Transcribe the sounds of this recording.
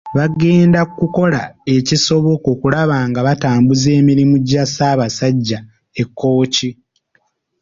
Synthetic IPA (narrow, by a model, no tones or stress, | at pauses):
βaɡe̞ːndakːuko̞lae̞ciso̞βo̞ko̞kulaβaːŋɡaβataːmbuze̞ːmiɾimuɟasaːβasaɟːa | ekːo̞ːci